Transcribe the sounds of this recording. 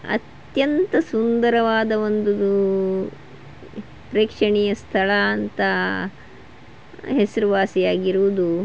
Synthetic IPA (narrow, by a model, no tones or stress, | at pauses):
ɐ̰t̪ | jɐnt̪ɐsund̪ɐɾɐʋaːd̪ɐʋo̞nd̪uu | pɾeːkʂɐɳijɐst̪ʰɐɭɐːnt̪ɐ | ɦesɐɾuʋaːsijaːɡiɾuʋud̪u